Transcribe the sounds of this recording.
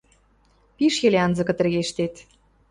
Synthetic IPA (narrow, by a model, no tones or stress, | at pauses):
piʃjelʲeɑnzɤ̆kɤ̆t̪ɘ̆rɣeʃt̪et̪